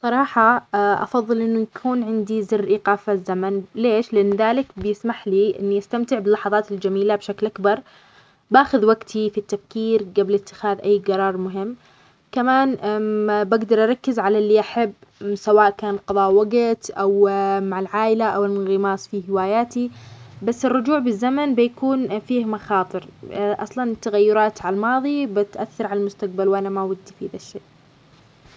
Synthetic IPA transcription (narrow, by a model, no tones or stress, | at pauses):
sˤɑɾˤɑːħɑʔɑ̰fɑðˤːɨlʔɪnːujakʰuːnʕɪnd̪izɪrːʔiːqaːfazːamanleːʃlɪʔanːðaːlɪkbɪjɪsmaħliʔɪ̰nːiʔast̪amt̪ɪʕbɪlːɑħɑðˤɑːt̪ɪld͡ʒamiːlabʃaklʔakbɑɾˤ | baːxʊðwaɡt̪ʰifit̪ːafkiːɾɡablɪt̪ːɪ̥xaːðʔajːɡɑɾˤɑːɾˤmʊɦɪmː | kamaːn | baɡd̪ɑɾˤʔɑɾˤɑkːɪzʕalalːiʔaħabːsawaːʔkaːnqɑðˤɑːʔwaɡɪt̪ʔawmaʕɪlʕaːʔɪlaʔawɪlɣɪmɑːsˤfihɪwaːjaːt̪ibasːɪrːʊd͡ʒuːʕbɪzːamanbɪjakuːnfiːhmɑxɑːt̪ˤɨɾʔɑsˤlɑnt̪ːaɣajːʊɾˤɑːt̪ʕalmɑːðˤibɪt̪ʔa̰θːɑɾˤʕalalmʊst̪aq̚balwʔanamawad̪ːfiðaʃːeːʔ